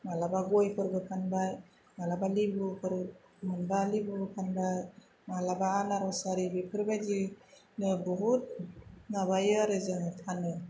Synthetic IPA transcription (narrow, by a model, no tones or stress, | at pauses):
malabaɡɔjpʰɯɾbɯkʰanbaj | malabalibɯpʰɯɾ | mɯnbalibɯkʰanbaj | malabaːnaɾasaɾibipʰɯɾbajzi | nɯbɔɦut̚naβajɯaɾɯzɯŋtʰanɯ